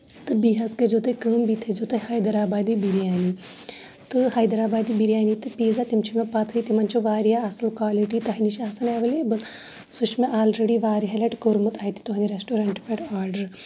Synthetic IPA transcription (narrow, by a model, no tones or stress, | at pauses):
t̪ɨbiɦɐzkɐd͡ʒot̪ɐkəːmbit̪ʰed͡ʒot̪ɐhaːjd̪ɐɾaːbaːd̪ibiɾiaːni | t̪ɨhaːjd̪ɐɾaːbaːd̪ibiɾijaːnit̪ɨpiːzat̪imt͡ʃʰimepɐt̪ʰɨit̪imɐnt͡ʃʰoʋaːɾijaɐsɐlkwaːliʈit̪ɐɦiniʃiaːsɐneːʋɐlebɐl | sut͡ʃmeʔaːlɾeɽiʋaːɾiɦɐlɐʈkoːɾmut̪ʰaːit̪i̥t̪uɦɐnd̪iɾesʈoːɾɐɳʈpeʈaːɾɖəɾ